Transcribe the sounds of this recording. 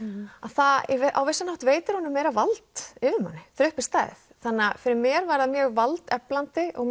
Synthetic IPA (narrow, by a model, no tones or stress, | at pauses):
aθavʔa̰wvesanaht̪veːjt̪ɪɾ̥hɔnʏmːeːjɾavalt̪ɪvɪmha̰nːɪθɾʏhpɪst̪aːθθanːafɪɾɪɾmɛɾvaɾɪðamjœːɣvalt̪ɛplant̪ɪʔɔɣ